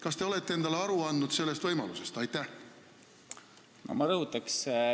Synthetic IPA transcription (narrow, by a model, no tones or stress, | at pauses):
kɑst̪e̞o̞le̞t̪ːee̞nd̪̥ɑleɑɾuɑnːud̪̥se̞lːe̞st̪vɤjmɑ̰luse̞st̪ɑjt̪ˑːæh | no̰mɑɾɤɦut̪ːˑɑks